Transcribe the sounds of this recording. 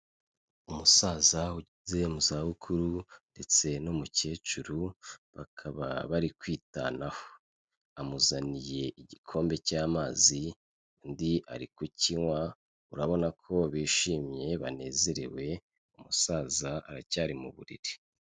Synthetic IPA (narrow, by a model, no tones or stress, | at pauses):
umusaːzahuizemuzahukʰuɾunde̞t͡se̞nomuce̞ːt͡ʃuɾuβakʰaβa̰βaɾikwiːta̰naho̥ | amuzanije̞ʔiɟikʰo̞ːmbe̞caːmaːzi | ndia̰ɾikuciŋwa | uɾaβo̞nakʰo̞βiːʃiːmɲe̞βane̞ːze̞ɾḛwe̞ | umusaːzaaɾacaːɾimṵβṵɾḭɾi̥